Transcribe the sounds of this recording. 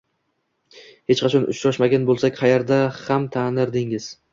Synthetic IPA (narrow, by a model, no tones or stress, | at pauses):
he̞t͡ʃqʰɑt͡ʃʰɒnʊ̰ʃɾɒʃmaɡʲanbolˠsakʲqʰɑjeɾd̪ahamt̪ʰanɪɾd̪ɪŋɪz̥